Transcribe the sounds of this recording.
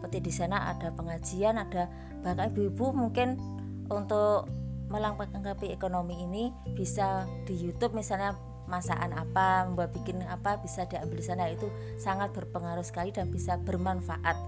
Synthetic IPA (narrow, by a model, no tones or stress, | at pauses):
pət̪ɪdisanaʔa̰d̥a̤pəŋḁd͡ʒ̥ianad̥a | b̥aŋkaɲabubumuŋkɪn | ʔunt̪ʊʔməlaŋpaaŋɡapiekonomiːni | b̥isad̥ijut̪ʊp̚misalɲa | masa̰ʔanapaməmbuat̪̚b̥ikɪnapab̥isad̥iʔambɪldisanait̪u | saŋat̪̚b̥ərpəŋaɾʊsə̥kalidanb̥isab̥ərmanfaʔat̪̚